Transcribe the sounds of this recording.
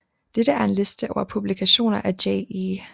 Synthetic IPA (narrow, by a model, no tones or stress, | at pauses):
d̥eɾ̥əæɐe̝nle̝sd̥əʔɒʊɐpʰub̥likʰæɕo̝̰ːnɐʔædeɪi